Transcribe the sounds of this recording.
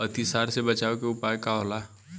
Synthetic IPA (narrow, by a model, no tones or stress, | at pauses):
ət̪isaːɾsebət͡ʃaːokeʊpaːjkaɦola